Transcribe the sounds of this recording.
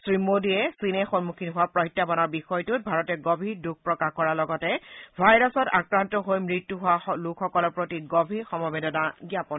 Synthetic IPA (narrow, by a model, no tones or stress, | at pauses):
sɹimodiɛsinɛxɔnmukʰinɦʊwapɹɔitːabanɔɹbixɔjtʊt̚bʱaɹɔtɛɡobʱiɹduk̚pɹɔkaxkɔɹalɔɡɔtɛbʱajɹɔsɔta̰kɹantɔɦojmɹitːuɦʊwalʊkʰxɔkɔlɔɹpɹotiɡobʱiɹxɔmɔbedɔnaɡijapɔn